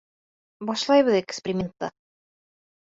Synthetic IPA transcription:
bɒʃlˠɑjβɤðekspʲeɾʲimʲent̪ːɑ̰

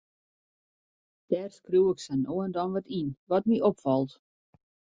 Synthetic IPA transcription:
d̥ɛːrskruwɪksɛnoəndɔnʋɔtinʋɔt̚miʔɔpfɔlˠt

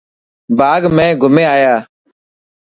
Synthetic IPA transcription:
bʱaːɡmɛ̃ːɡʱʊmẽːaːjaː

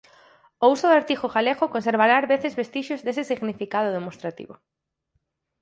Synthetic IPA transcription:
ousoðaɾt̪ixoɣaleɣokonseɾβaɾaɾβeθezβest̪iʃozðesɪsiɣnifikað̞ʊð̞emost̪ɾat̪ḭβo̰

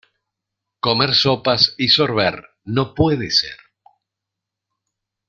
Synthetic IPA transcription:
ko̞me̞ɾsopasisoɾβ̞eɾ | nopweðesḛɾ

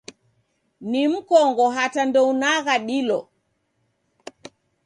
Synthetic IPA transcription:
nim̩kɔŋɡɔɦatandɔunaɣaɗilɔ

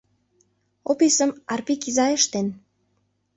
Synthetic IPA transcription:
opisəmɑrpikizɑeʃt̪en

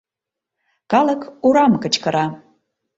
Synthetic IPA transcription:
kɑləkuɾɑmkət͡ɕkəɾɑ

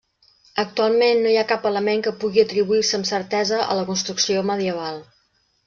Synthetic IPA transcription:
ək̚t̪ualˠmenːojakapələmeŋkəpuɣiət̪ɾiβuirsəːmsəɾt̪ɛzəʔə̰ləkunst̪ɾuksioməðiəβ̞alˠ

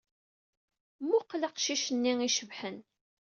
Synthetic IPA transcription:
mːuqːlaqʃiʃənːiŋiʃəvħən

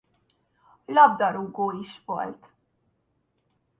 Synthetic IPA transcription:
lɒb̚d̪ɒɾuɡoːiʃʋo̰lt̪

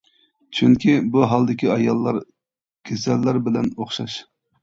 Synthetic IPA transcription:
t͡ʃʰyŋkʲʰibuɦɑlˠd̪ɪkʲiɑjɑlˠːɑɾ | ɡ̥ʲezɛlːæɾbɪlɛnoχʃɑʃ

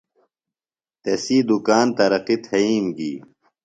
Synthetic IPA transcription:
t̪ɐsiːd̪ukaːnt̪ɐɾɐqit̪ʰhɐiːmɡḭː

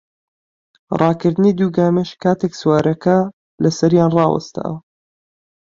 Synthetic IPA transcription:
rʔɑːkɨɾd̪ɨniːd̪uːɡaːmɛʃkʰaːt̪ʰekswaːɾɐkʰɐ | lɐsɐɾjaːnrɑːwɐ̰st̪a̰ːwɐ

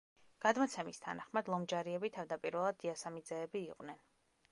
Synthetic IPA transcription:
ɡ̥ad̪mɔt̪sʰɛmist̪ʰa̰naχmad̪lˠɔmd͡ʒaɾiɛbit̪ʰavd̪apʼiɾvɛlˠad̪ːiasamid̪zɛːbiːqʼnɛn

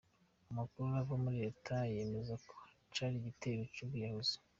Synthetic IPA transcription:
amakuɾuavamuɾe̞tʰaje̞me̞zako̥ | caːɾiɟiteɾocuβujahozi̥

